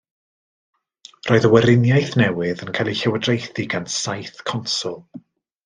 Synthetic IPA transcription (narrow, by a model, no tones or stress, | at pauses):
roːɨðəwɛɾɪnjajθnɛwɪðənkʰajlˠiɬɛwədrejθiɡansajθkʰɔnsʊlˠ